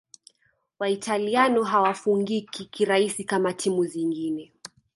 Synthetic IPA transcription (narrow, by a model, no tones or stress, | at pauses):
waitalianɔɦawafuŋɡikʰikiɾaisikamatʰimuziŋɡinɛ